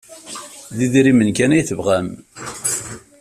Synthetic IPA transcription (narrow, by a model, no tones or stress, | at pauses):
ðiðɾimənkænæjθəvʁæm